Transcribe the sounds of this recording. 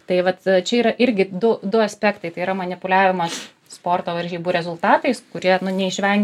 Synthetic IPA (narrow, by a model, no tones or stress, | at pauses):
t̪ɐɪʋɐt̪t͡ʃʲɛiːɾɐʔɪɾʲɡʲɪd̪ʊd̪ʊɐsʲpʲɛkt̪ɐɪt̪ɐɪiːɾɐmɐnʲɪpʊlʲæːʋʲɪmɐs | spoːrt̪oːʋɐɾʲʒʲiːbʊɾʲɛzʊlˠt̪ɑːt̪ɐɪskʊɾʲiɛnʊnʲɛɪʃʲʋʲɛŋʲk